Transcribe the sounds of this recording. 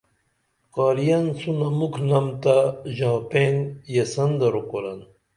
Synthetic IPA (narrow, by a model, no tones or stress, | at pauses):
qaːɾijɐnsunɐmukʰnɐmt̪aʑãːpenjesɐnd̪ɐɾokoɾɐn